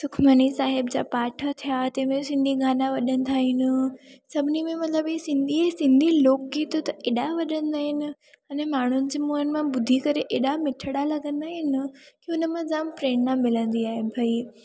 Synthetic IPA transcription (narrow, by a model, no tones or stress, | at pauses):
sʊkʰmənisaːɦɪbd͡ʑa̰ːpaːʈʰət̪ʰijat̪ɛ̃ːmẽsɪ̃nd̪ʱiɡʱaːnaʋɐɗə̃nd̪ʰaɦɪnɪ̆sɐbʱɪnimẽmɐt̪ləbisɪ̃nd̪ʱiɛsɪ̃nd̪ʱiloːk̚ɡiːt̪t̪ɐʔeːɗaʋɐɗə̃nd̪aːɦɪnɪ̆ | aːnẽmaːɳ̤ʊnɪ̆d͡ʑeːmuɦənɪ̆mãbʊd̪ʱikɐɾeʔeːɗamɪʈʰəɽalɐɠə̃nd̪aɦɪnɪ̆kiʊnəmãzaːmpɾeːɳnãmːɪlə̃nd̪iaːɦɪnɪ̆bʱɐi